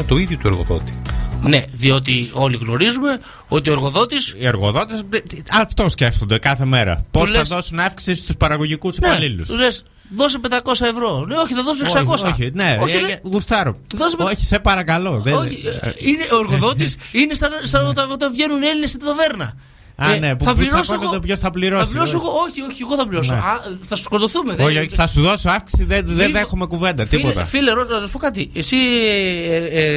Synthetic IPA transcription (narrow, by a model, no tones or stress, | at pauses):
t̪o̞iðjot̪ueɾɣo̰ðo̞̰t̪i̥neðio̞t̪̬io̞liɣno̞ɾizume̞ | ot̪ioeɾɣo̞ðo̞t̪isieɾɣo̞ðo̞t̪esɐft̪o̞sce̞ft̪o̞nd̪ekɐθe̞me̞ɾɐ̰posɐðo̞sunɐfki̥sist̪uspɐɾɐɣo̞ʝikusinpɐlilṵsles | ðo̞s̬epend̪ɐko̞sɐevɾo̞neoçiθɐðo̞s̬uneksɐkosoçineoɐɣust̪ɐɾoðoseoçi̥sepɐɾɐkɐlo̞ðeoineoeɾɣoðot̪isinest̪ɐnsɐnot̪ɐot̪evʝenune̞linest̪it̪ɐt̪oveɾnɐ̰ | ɐenepuɐpliɾɐsknet̪opʝosθɐpliɾosɐspliɾossoɣooçioçieɣoθɐpliɾosoɐθɐsu̥skot̪oθumeðoçoçiθɐsuðo̞soɐfksi̥siðeðeðexumekuve̞nd̪ɐt̪ipo̞ɐ̰fileɾonɐsɐspo̞kɐt̪̬iesi